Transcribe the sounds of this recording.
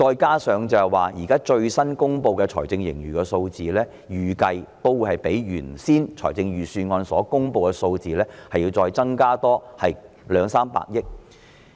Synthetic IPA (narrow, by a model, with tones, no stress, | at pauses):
t͡ʃɔː˧jkaː˥sœː˨˧ŋt͡sɐ˨˧hɐ˨˩waː˨jiː˨˩kaː˥t͡ʃɵ˧ɥsɐ˥nkʊ˥ŋpo˧wkɛ˧t͡ʃʰɔ̰ː˨˩jt͡sɪ˧ŋjɪ̰˨˩ŋjyː˨˩kɛ˧so˧wt͡siː˨lɛː˥ | jyː˨˩kɐ˧jt̪o˥wu˨˧hɐ˨jpe˨˥jɥyː˨˩nsiː˥nt͡ʃʰɔ̰ː˨˩jt͡sɪ˧ŋjyː˨syː˧nŋɔː˧nsɔː˨˥kʊ˥ŋpo˧wkɛ˧so˧wt͡siː˨lɛː˥hɐ˨jiː˧wt͡sɔː˧jt͡sɐ˥ŋkaː˥t̪ɔː˥hɐ˨j | lœː˨˧ŋsaː˥mpa̰ː˧k̚jɪ˥k̚